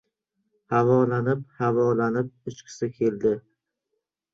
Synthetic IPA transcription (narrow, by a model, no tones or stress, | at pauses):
havɒlanɪphavɒlanɪp̚ʊt͡ʃkʲʰɪ̥sɪkʲʰe̞ld̪ɪ